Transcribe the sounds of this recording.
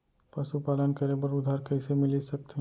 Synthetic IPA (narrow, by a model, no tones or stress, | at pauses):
pɐʃupaːlənkɐɾebɐɾʊd̪ʱaːɾkɐɪsemɪlisɐk̚t̪eɦ